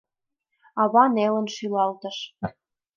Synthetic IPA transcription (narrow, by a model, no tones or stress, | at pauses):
ɑβɑnelə̆nʃylɑlt̪ə̆ʃ